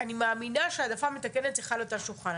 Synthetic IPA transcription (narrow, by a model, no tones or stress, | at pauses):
animaːminaʃead̪afame̞t̪ake̞ne̞t̪iχalotaʃulχan